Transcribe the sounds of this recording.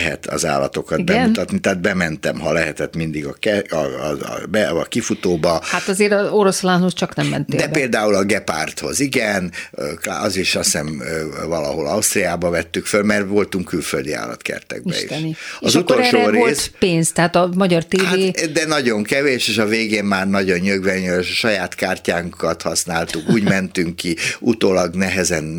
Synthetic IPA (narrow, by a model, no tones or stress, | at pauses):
ɦɛ̰t̪ɒ̰za̰ːlɒ̰t̪o̞kɒd̪̚bɛmut̪ɒt̪nit̪ɛːd̪̚bɛmɛnt̪ɛmɦɒlɛɦɛt̪ɛt̪mind̪iɡɒkɛ̰ | bɛɒkifut̪oːbɒhat̪ɒzeːɾɒoɾo̞slanhost͡ʃɒknɛmːɛ̰nt̪deːd̪ɛbpeːld̪aːulɒɡɛpa̰rt̪ho̞ziɡɛnkɒziʃɒsɛnvɒlɒ̰ɦo̞lɒust̪rijaːbɒvɛt̪ːykfølmɛrʋo̞lt̪uŋkːylføld̪ia̰ːlɒ̰t̪kɛ̰rt̪ɛ̰ɡ̚bɛ̰ḭt̪ʃniɒzut̪ːoɾʃoːɾeːspeːnst̪ɛɦaːt̪ɒmɒɟɒrt̪eːaveːd̪ɛnɒɟo̞ŋkɛveːʃeːʃɒveːɡeːmmaːrnɒɟo̞nːøɡvɛɲøʃɒjaːt̪kaːrcaːŋkʰɒt̪hɒsnaːlt̪ukuːɟmɛnt̪yŋkːiut̪oːlɒɡnɛɦɛzɛn